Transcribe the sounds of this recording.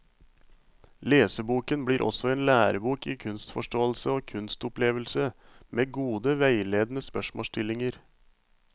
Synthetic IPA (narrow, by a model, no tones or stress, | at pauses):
leːsəbuːkənbliːɾʔɔ̰sɔeːnlæːɾəbuːkiːkʰʉnst̪fɔʂʈoːl̩səoːkʰʉnst̪ʊpleːʋəlsə | mʔeːɡuːd̪əʋæɪleːd̪n̩əspœʂmo̰ːstʰɪlɪŋəɾ